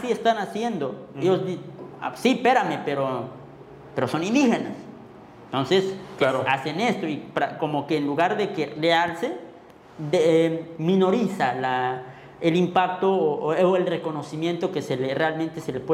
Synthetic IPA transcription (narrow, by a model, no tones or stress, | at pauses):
siest̪anasje̞nd̪o̞jozisipe̞ɾame̞pe̞ɾo | pe̞ɾo̞so̞nĩnd̪ixe̞nas | et̪o̞nsesaoase̞ne̞st̪o̞ipako̞mo̞keːnluɣaɾðeke̞realse | mĩno̞ɾisala | elimpak̚t̪ooelre̞ko̞no̞simje̞nt̪o̞keselerealment̪e̞se̞lepwe